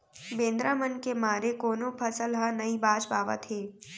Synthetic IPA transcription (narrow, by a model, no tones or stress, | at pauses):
bẽːnd̪ɾamənkemaːɾekoːnõpʰɐsəlɦɐnɐibaːd͡ʒbaːʋə̰t̪ɦeː